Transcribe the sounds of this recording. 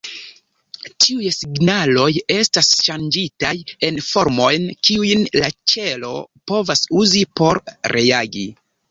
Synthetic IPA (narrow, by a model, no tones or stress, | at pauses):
tʰiujsiɡnalo̞je̞stasʃand͡ʒitaje̞nfo̞ɾmo̞jnkiujnlat͡ʃe̞lo̞̰po̞vasuzipo̞ɾɾeaɡi